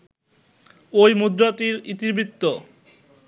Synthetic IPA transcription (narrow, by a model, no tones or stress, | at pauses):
ojmud̪ɾat̪iɾit̪ibʱɾit̪ːo